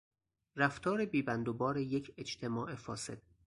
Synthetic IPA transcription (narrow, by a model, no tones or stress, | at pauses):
ræft̪ʰɒːɾebiːbænd̪obɒːɾejecʰed͡ʒt̪ʰe̞mɒːʔefɒːse̞̰d̪̥̚